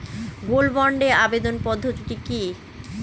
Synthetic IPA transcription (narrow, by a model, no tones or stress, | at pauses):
ɡolbɔɳɖeabed̪onpɔd̪ʱːot̪iʈiki